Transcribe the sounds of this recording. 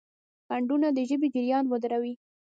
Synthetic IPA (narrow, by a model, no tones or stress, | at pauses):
kaɳɖunad̪əʒəbed͡ʒɪɾjɑnwəd̪ɾawi